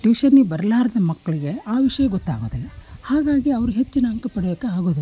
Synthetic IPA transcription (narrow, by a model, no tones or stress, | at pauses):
ʈiːʃɐnːibɐɾɐlaːɾɐd̪ɐmɐkːɐɭiɡe̞aːʋiʂɐjɐɡɔt̪ːa̰ːɡo̰ːd̪elːhaːɡaːɡiɐʋɐɾuɦe̞t͡ʃːinɐɐŋkɐpɐɽejɐkːeaːɡo̞ːd̪u